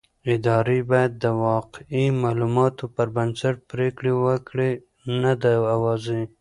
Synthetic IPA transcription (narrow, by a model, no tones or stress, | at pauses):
ɪd̪ɑɾibɑjad̪̚ːəwɑqimɑlumɑt̪opəɾbansaʈ̚pɾekɽewəkɽe | nad̪aawɑzi